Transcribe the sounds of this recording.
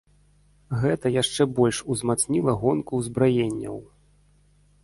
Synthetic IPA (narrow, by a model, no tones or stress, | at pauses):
ɣɛt̪ɐjaʂt͡ʂɛbɔlʲʂuzmat̪snʲilˠɐɣɔnkuzbɾajenʲːɐ̰w